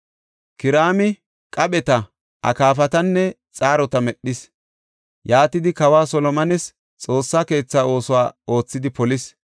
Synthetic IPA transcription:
kɪɾaːmɪ | kʼɐɓɛt̪ɐ | ʔɐ̰kaːfɐt̪ɐnːɛ | t͡sʼaːɾɔt̪ɐmɛɗːɪs | jaːt̪ɪd̪ɪkɐwaːsɔlɔmɐnɛs | t͡sʼo̞ːsːaːke̞ːt͡sːaːo̞ːsʊwaːo̞ːt͡sːɪd̪ɪpɔlɪs

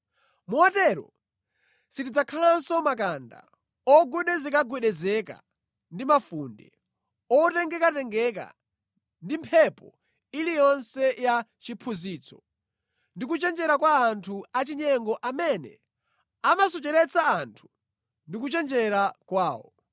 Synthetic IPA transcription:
muatɛɾɔ̰ | sitid͡zakʰalansɔmak̬anda̰ | ɔɡuɗɛzɛkaɡɛɗɛzɛka̰ | ndimafundɛ̰ | ɔtɛŋɡɛkatɛŋɡɛka̰ | ndimpʰɛpɔ | ilijɔnsɛjat͡ʃipʰuziːt͡sʰɔ̥ | ndik̬ut͡ʃɛnd͡ʒɛɾakwaːntʰuat͡ʃiɲɛŋɡɔʔamɛnɛ̰ | amasɔt͡ʃɛɾɛt͡saːntʰu̥ | ndik̬ut͡ʃɛnd͡ʒɛɾakwaːwɔ̰

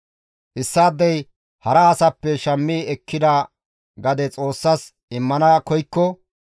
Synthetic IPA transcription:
ʔɪsːaːd̪ːɐj | hɐɾɐːsɐpːɛʃɐmːiːɛkːɪd̪ɐ | ɡɐd̪ɛt͡sʼo̞ːsːɐs | ɪmːɐnɐkɔjkːɔ

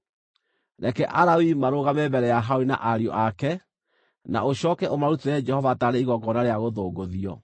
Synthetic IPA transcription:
ɾɛkɛʔaɾawimaɾoɣamɛbɛɾɛjaɦaoina̰ʔaɾiɔ̰ʔakɛ | na̰oɕɔkɛʔomaɾuteɾɛd͡ʒɛhɔvataɾeiɣɔɡɔnaɾeaɣoðoːɡoðiɔ

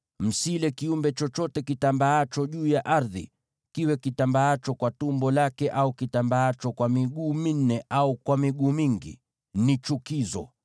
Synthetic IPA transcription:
m̩silɛkiumbɛt͡ʃɔt͡ʃɔtɛkitambaat͡ʃɔʄuːjaʔaɾðḭ | kiwɛkitambaat͡ʃɔkwatumbɔlakɛʔaukitambaat͡ʃɔkwamiɠuːmin̩ɛʔaukwamiɠuːmiŋɡḭ | nit͡ʃukizɔ̰

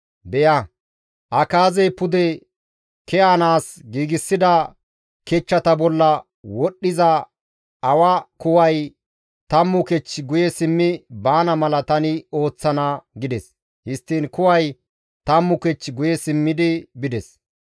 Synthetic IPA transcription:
bɛjɐ | ʔɐkaːzɛjpʊd̪ɛ | kɛjaːnaːsɡiːɡɪsːɪd̪ɐ | kɛt͡ʃːɐt̪ɐbɔlːɐ | wɔɗːɪzɐ | ɐwɐkʊwɐj | t̪ɐmːʊkɛt͡ʃːɡʊjɛsɪmːɪbaːnɐmɐlɐt̪ɐnɪo̞ːt͡sːɐnɐɡɪd̪ɛs | hɪst̪ːiːnkʊwɐj | t̪ɐmːʊkɛt͡ʃːɡʊjɛsɪmːɪd̪ɪbɪd̪ɛs

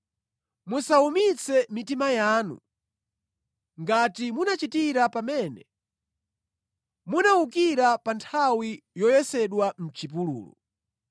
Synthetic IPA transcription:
musaumit͡sʰɛmitimajaːnṵ | ŋɡatimunat͡ʃitiɾapamɛːnɛ | munauk̬iɾapantʰawijɔjɛsɛɗwam̩t͡ʃip̬ulṵːlṵ

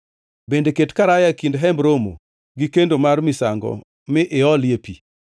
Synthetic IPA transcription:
bendeketkaɾajakindɦɛmbɾomo̰ | ɡikendomarmɪsaŋɡɔ̰ | mɪʔɪɔljepḭ

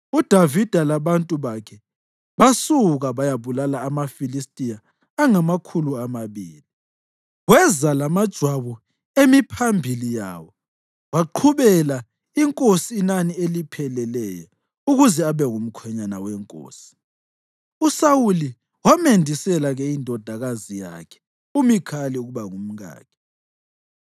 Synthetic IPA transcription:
ud̥ʱavid̥ʱalaβantʼuβakʰɛ | βasuɣaβajaβulalaːmafilistʼijaː | ŋamakʰuluamaβiːli | wɛzalamad̥ʒ̥ʱwaβu | emipʰambʱilija̰ːwɔ | waǃʰuβɛla | iŋkʼosiːnanielipʰɛlɛlɛjɔ | uɣuzɛaβɛŋum̩kʰwɛɲanawɛŋkʼo̰ːsi̥ | usawuli | wamendʱisɛlaɣɛindʱɔd̥ʱaɣazija̰kʰɛ̥ | umikʰalɛuɣuβaŋum̩ɣa̰ːkʰɛ̥

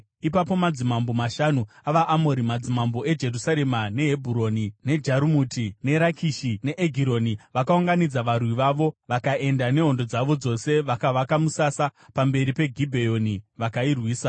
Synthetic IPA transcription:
ipapo̞mad͡zimambo̞maʃanuaʋaʔːmo̞ɾimad͡zimambo̞e̞d͡ʒe̞rusaɾe̞mane̞ɦebʱuɾo̞nine̞d͡ʒaɾumutine̞ɾakʰiʃine̞ʔeɡʱiɾo̞niʋakauŋɡanid͡zaʋarwiʋaʋo̞ʋakaʔe̞ndane̞ɦo̞ndo̞d͡zaʋo̞d͡zo̞se̞ʋakaʋakamusasapambe̞ɾipe̞ɡʱibʱe̞joniʋakairwiːsa

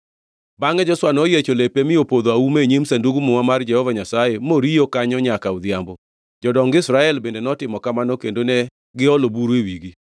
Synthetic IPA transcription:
baŋɛd͡ʒɔswanɔjet͡ʃolepemɪopod̪oaumeɲemsanduɡumuŋamard͡ʒɛhɔvaɲasajemoɾijokaɲɔɲakaud̪jambɔ | d͡ʒɔdɔŋɡɪsɾaɛlbendenɔtɪmɔkamanɔkendonɛ | ɡɪɔlobuɾwewiɡi

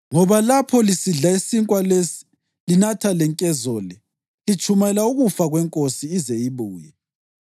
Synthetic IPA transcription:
ŋɔβalapʰɔlisiɮaisiŋkʼwalesi̥ | linatʰalɛŋkʼɛzɔlɛ | it͡ʃʰʼumɛlauɣufaɣwɛŋkʼosiːzejiβuːjɛ

